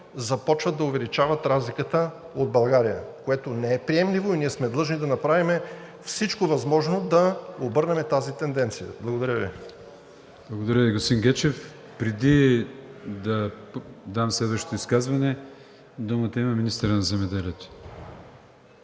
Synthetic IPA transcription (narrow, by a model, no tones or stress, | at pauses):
zɐpɔt͡ʃvɐt̪ːɐʊvɛlit͡ʃavɐt̪ɾazlikət̪ə | od̪̚bɐlˠɡaɾijə̰koɛt̪onɛɛpɾiɛmlivoiniɛsmɛd̪lˠɤʒnid̪ɐnɐpɾavimɛfsit͡ʃkovɐzmɔʒnod̪ɐobɤɾnɛmɛt̪azit̪ɛnd̪ɛnt̪sijə̰blˠɐɡod̪ɐɾʲjəvḭ | b̥lˠɐɡod̪ɐɾʲjəviɡost̪iŋɡɛt͡ʃɛf | pɾɛd̪i | d̪ɐ | d̪amslɛd̪vəʃt̪o̥t̪oiskazvɐnɛ | d̪umət̪ɐimɐminist̪əɾənɐzɛmɛd̪ɛliɛt̪o̥